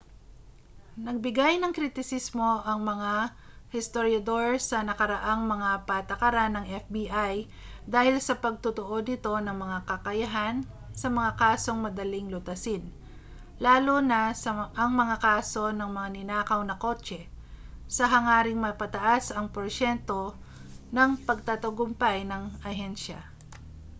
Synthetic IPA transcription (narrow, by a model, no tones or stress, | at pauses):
nɐɡ̚bɪɡajnɐŋkɾit̪ɪsismo̞ʔɐŋmɐŋa | hɪst̪oɾjɐd̪o̞ɹsɐnɐkɐɾɐʔaŋmɐŋapat̪ɐkɐɾanːɐŋʔɛfbiʔaj | d̪aːhɪlsɐpɐɡ̚t̪ʊt̪oʔo̞d̪nɪt̪o̞nɐŋmɐŋakɐkɐjɐɦan | sɐmɐŋakaːso̞ŋmɐd̪ɐlɪŋlʊt̪ɐsɪn | laːlonɐsɐʔɐŋmɐŋakaːso̞nɐŋmɐŋanɪnaːkɐwnɐko̞ːt͡ʃɛ | sɐɦɐŋaːɾɪŋmɐpɐt̪ɐʔasɐŋpoɾʃɛnt̪o̞ | nɐŋpɐɡ̚t̪ɐt̪oɡʊmpajnɐŋɐɦɛnʃɐ̰